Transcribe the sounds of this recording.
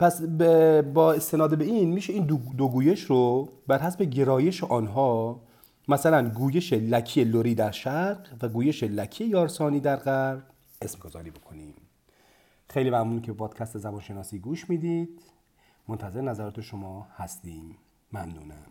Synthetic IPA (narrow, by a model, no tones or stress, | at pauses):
pʰæsbebɒːe̞st̪e̞nɒːd̪ebe̞iːnmiːʃe̞iːnd̪d̪oɡuːje̞ʃɾobæɾɦæsbe̞ɟe̞ɾɒːje̞ʃeʔɒːnɦɒː | mæsælænɡuːje̞ʃelækʰiːeloɾiːd̪æɾʃæɾqvæɡuːje̞ʃelæcʰiːejɒːɾsɒːniːd̪æɾɢæɾd | esmɡozɒ̰ːɾiːbokʰo̞niːm | xejliːmæmnuːnkʲʰeepʰɒːd̪̥kʲʰæst̪ezæbɒːnʃe̞nɒːsiːɡuːʃmiːd̪iːd̪̥ | mont̪ʰæze̞ɾenæzæɾɒːt̪ʰeʃomɒːhæst̪iːmː | æmnṵːnæ̰m